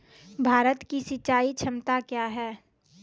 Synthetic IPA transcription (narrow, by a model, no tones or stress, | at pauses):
bʱaːɾət̪kisɪt͡ʃaːit͡ʃʰəmt̪akjaːɦɛː